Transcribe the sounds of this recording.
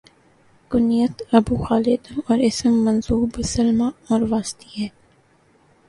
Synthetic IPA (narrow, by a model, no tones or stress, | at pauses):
kʊnijət̪ɐbuːxaːlɪd̪ɔːɾɪsəmːɐnzuːbsɐlmaɔːɾʋaːst̪iɦɛː